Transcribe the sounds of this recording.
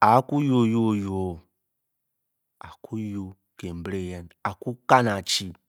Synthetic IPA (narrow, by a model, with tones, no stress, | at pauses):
a˨˦ku˦jo˨jo˦jo˨˦ | a˨kʰu˦jo˦ | ke˨m˨bɾe˦˨jɛ˨na˨ku˦ka˦na˨t͡ʃi˦˨